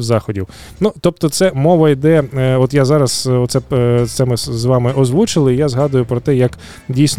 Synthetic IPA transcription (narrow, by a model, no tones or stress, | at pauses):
zɑxɔdʲiw | nut̪ɔp̚t̪ɔt̪sɛmɔʋɐid̪ɛɔt̪jazɑɾɐsɔt̪sɛt̪sɛmɪzʋɑmɪʔɔzʋut͡ʃɪlˠɪijazɦɑd̪ʊjʊpɾɔt̪ɛjɐk | dʲijsʲn